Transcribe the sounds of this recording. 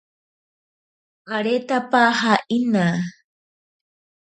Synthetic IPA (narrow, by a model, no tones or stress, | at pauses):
ɢaɾet̪apahaʔina